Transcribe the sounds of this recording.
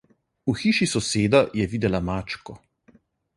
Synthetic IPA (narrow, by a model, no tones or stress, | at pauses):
uxiːʃisɔseːd̪ajɛʋiːd̪ɛlamaːt͡ʃkɔ